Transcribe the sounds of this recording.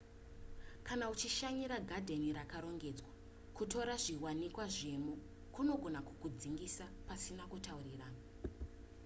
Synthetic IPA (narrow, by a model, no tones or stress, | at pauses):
kanaut͡ʃiʃaɲiɾaɡʱadʱe̞niɾakaɾo̞ŋɡe̞d͡zwa | kuto̞ɾaʐiwanikwaʐe̞mo | kuno̞ɡʱo̞naku̥kud͡ziŋɡisapasinakutauriraːna